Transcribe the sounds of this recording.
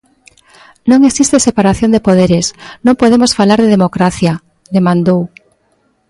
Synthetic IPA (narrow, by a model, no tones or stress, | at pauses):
nõŋesist̪esepaɾaθjond̪epoð̞eɾesnõŋpoðemosfalaɾðeðemokɾaθja | ðemãnd̪ow